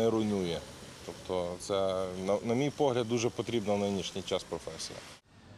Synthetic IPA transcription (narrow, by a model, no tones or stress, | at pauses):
ɛɾʊnʲujɛt̪ɔpt̪ɔt̪sɛnɐnɐmʲijpɔɦlʲɐd̪ːuʒɛpɔt̪ɾʲibnɐwnɪnʲiʃnʲijt͡ʃɑspɾɔfɛsʲḭjɐ̰